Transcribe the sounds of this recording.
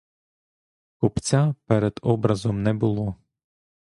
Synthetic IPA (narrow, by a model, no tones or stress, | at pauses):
kʊpt͡sʲapɛɾɛd̪ɔbɾɐzɔmnɛbʊlˠɔ